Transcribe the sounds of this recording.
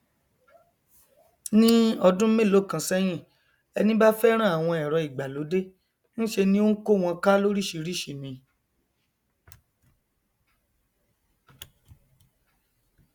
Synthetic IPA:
nĩ˦ɔ˧dũ˦me˦˨lo˨˦˨kã˧sɛ˦j̃ĩ˦˨ | ɛ˧nĩ˦ba˦fɛ˦ɾ̃ã˦˨a˨w̃ɔ̃˧ɛ˨ɾɔ˨˧i˨ɡ͡ba˨lo˨˦de˦ | ñ̩˦ʃe˧nĩ˦o˦n̩˦ko˦˨w̃ɔ̃˧ka˦lo˦ɾi˦˨ʃi˨˧ɾi˦˨ʃi˨mĩ˨˧

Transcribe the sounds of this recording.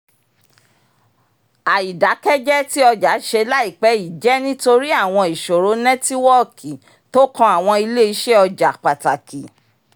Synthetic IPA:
a˨i˨da˨˦kɛ˦d͡ʒɛ˦ti˦ɔ˧d͡ʒa˨˦ʃe˧la˦i˦˨k͡pɛ˨˦i˨d͡ʒɛ˦nĩ˦to˧ɾi˦a˦˨w̃ɔ̃˧i˨ʃo˨ɾo˨˦nɛ̃˦ti˦wɔ˦ki˨ | to˦kɔ̃˧a˨w̃ɔ̃˧i˧le˦i˨˦ʃe˦ɔ˧d͡ʒa˨k͡pa˨ta˨ki˨

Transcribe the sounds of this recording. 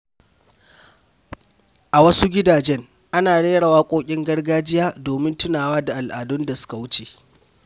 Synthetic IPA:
ʔa˨wɐ˦su˦ɡʲɪ˦daː˨d͡ʒɛ˦ŋ | ʔa˦naː˨ɽeː˦ɽa˨waː˦kʷʼoː˦kʲʼɪ˦ŋɡɐ˦ɽɡaː˦d͡ʒɪ˦jaː˦doː˨mɪ˦ntʊ˦naː˨waː˦da˨ʔa˨lʔaː˨dʊ˦nda˨sʊ̥˦ka˨wʊ˦t͡ʃeː˨

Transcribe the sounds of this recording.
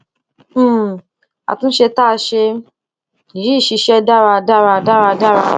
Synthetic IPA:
a̰˨tũ˦n̩˦ʃe˧ta˦˧ʃe˧˨ | ɾi˦˨ʃi˧ʃɛ˦da˦˨ɾa˧da˦ɾa˧˨da˦ɾa˧da˦ɾa˧

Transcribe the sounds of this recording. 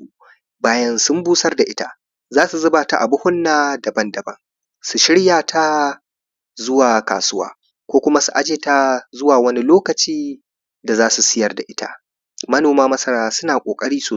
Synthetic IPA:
u˨ | baː˦jɐ˦nsʊ˦mbuː˦sɐ˦rda˨ʔɪ˦ta˦ | zaː˦su˨zʊ˦baː˨ta˨ʔa˨bʊ˦hʊ˦nːaː˦dɐ˨bɐ˦ndɐ˨bɐ̰˦ŋ | su˨ʃɪ˦ɽjaː˨tʰa˦ | zʊ˦waː˨ka̰ː˨sʊ˦wa̰ː˦ | kʷoː˦kʷʊ˦ma˦su˨ʔa˦d͡ʒeː˨ta˦zʊ˦waː˨wɐ˦ni˦loː˦kɐ˨t͡ʃiː˦ | da˨zaː˦su˨sɪ˦jɐ˦rda˨ʔɪ˦ta̰˦˨ | mɐ˦noː˨maː˦mɐ˦sɐ˦ɽaː˦sʊ˦naː˨kʷʼoː˨kʼɐ˦ɽiː˦soː˨

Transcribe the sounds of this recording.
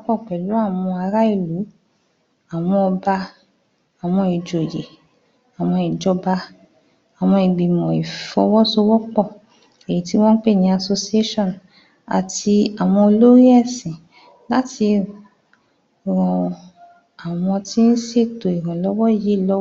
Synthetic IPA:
ɔ˦k͡pɔ˦˨k͡pɛ˨lu˨˦a˦˨wɔ̃˧a˧ɾa˦i˦˨lu˨˦ | a˨w̃ɔ̃˧ɔ˧ba˧ | a˨w̃ɔ̃˧i˨d͡ʒo˨je˨ | a˨w̃ɔ̃˧i˨d͡ʒɔ˧ba˧ | a˨w̃ɔ̃˧i˨ɡ͡bi˨mɔ̃˨i˨fɔ˧˦wɔ˦so˧wɔ˦k͡pɔ˦˨ | e˨ji˨˦ti˦w̃ɔ̃˦n̩˦k͡pe˦˨nĩ˧˦a˧so˧si˧˦e˦ʃɔ̃˦˨n | a̰˨ti˧a˨w̃ɔ̃˧o˧lo˦ɾi˦ɛ˦˨sĩ˨ | la˦ti˧ | ɾɔ̃˧ | a˨w̃ɔ̃˧ti˦n̩˦se˦˨to˨i˨ɾ̃ã˨lɔ˨˦wɔ˦˨ji˨˦˨lɔ˦

